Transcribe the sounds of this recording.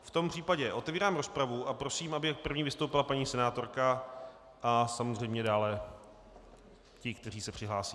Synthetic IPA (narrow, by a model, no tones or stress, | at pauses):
ft̪o̞mpr̝̥iːpaɟɛʔo̞t̪ɛviːɾaːmɾo̞spɾavuʔapɾosiːmʔabɪkpr̩vɲiːvɪst̪owpɪlapaɲiːsɛnaːt̪o̞ɾka | ʔasamozr̝ɛjmɲɛdaːlɛ | cɪkt̪ɛr̝iːsɛpr̥ɪɦlaːsiː